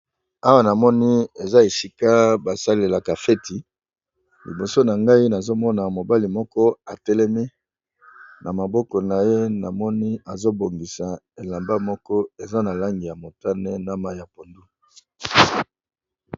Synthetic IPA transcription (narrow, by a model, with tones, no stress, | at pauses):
a˦wa˦˨na˨mɔ˦ni˦e˨za˦e˨si˦ka˦ba˨sa˦le˨la˨ka˨fe˦ti˨ | li˨bo˨so˦na˨ŋɡa˦i˦na˨zo˦mɔ˦na˨mo˨ba˦li˨mɔ˦kɔ˦a˨tɛ˦lɛ˦mi˦ | na˨ma˨bɔ˦kɔ˨na˨je˦na˨mɔ˦ni˦a˨zo˦bo˨ŋɡi˨sa˨ | e˨la˨mba˦mɔ˦kɔ˦e˨za˦na˨la˦ŋɡi˨ja˨mo˨ta˦ne˦na˦ma˦ja˨po˨ndu˦